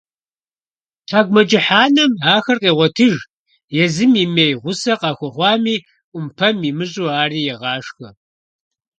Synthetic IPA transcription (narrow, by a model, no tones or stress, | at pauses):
tʰaːɡʷmɐd͡ʒɪħaːnɐmaːxɐrqeːʁʷɔtʰɨʒ | jɛzɨmimejʁʷʊsɐqɑːxʷɔχʷɑːmiː | ʔʷʊmpʰɐmimɨɕʼuːaːriːjɛʁɑːʂxɐ